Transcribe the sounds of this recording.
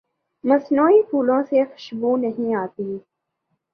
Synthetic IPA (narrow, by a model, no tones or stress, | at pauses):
mɐsnoːipʰuːlõsexʊ̥ʃbuːnɐɦĩaːt̪i